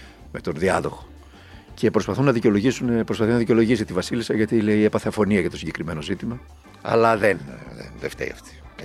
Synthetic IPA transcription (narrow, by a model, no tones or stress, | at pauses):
me̞t̪o̞nðiɐðo̞xo̥ | cʰe̞pɾospɐθunːɐðiceo̞lo̞ʝisunepɾospɐθinɐðiceo̞lo̞ʝisit̪ivɐsilisɐʝɐt̪ile̞ie̞pɐθe̞ɐfo̞niɐʝɐt̪o̞siɲɟe̞kɾime̞no̞zit̪imɐ | ɐ̰lɐðen̰nðeft̪ḛḭɐ̰ft̪i̥